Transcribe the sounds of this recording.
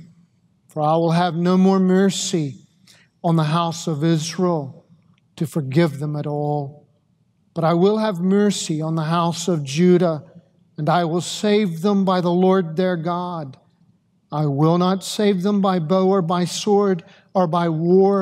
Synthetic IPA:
fə˞aɪwɪlˠɨvnoʊmɔɹmɜ˞si | ə̃nðəɦaʊsʌvɪzɹilˠ | tʰɨfə˞ɡɪvðɨ̃mɨɾɔlˠ | b̥ʌɾaɪwɪlˠəvmɜ˞siə̃nðəɦaʊsʌvd͡ʒʉɾə | ə̃naɪwɪlˠseɪvðə̃mbaɪðəlɔɹd̪̚ðə˞ɡɑd | aɪwɪlˠnətseɪvðə̃mbaɪboʊə˞baɪsɔɹɾ | ə˞baɪwɔɹ

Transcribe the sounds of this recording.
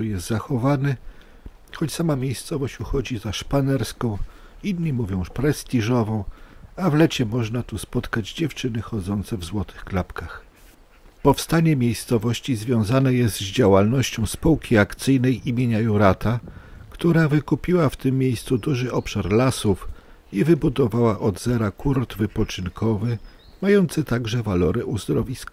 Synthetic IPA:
ujɛst̪zaxɔvanɘ | xɔt͡ɕsamamʲjejst̪sɔvɔɕt͡ɕuxɔd͡ʑizaʂpanɛɾskɔ̃w̃ | inɲimuvʲjɔ̃w̃pɾɛst̪ʲiʐɔvɔ̃w̃avlɛt͡ɕɛmɔʐnat̪uspɔt̪kad͡ʑd͡ʑɛft͡ʂɘnɘxɔd̪zɔnt̪sɛvzwɔt̪ʰɘxklapkax | pɔfst̪aɲɛmʲjejst̪sɔvɔɕt͡ɕizvʲjɔ̃w̃zanɛjɛst̪zd͡ʑawalnɔɕt͡ɕɔ̃w̃spuwkʲiakt̪sɘjnɛjʔimʲjeɲajuɾat̪akt̪uɾavɘkupʲiwaft̪ɘmːʲjejst̪sud̪uʐɘʔɔpʂaɾlasuf | ivɘbud̪ɔvawaʔɔd̪zɛɾakuɾd̪vɘpɔt͡ʂɘnkʰɔvɘ | majɔnt̪sɘt̪aɡʐɛvalɔɾɛʔuzd̪ɾɔvʲiskḁ

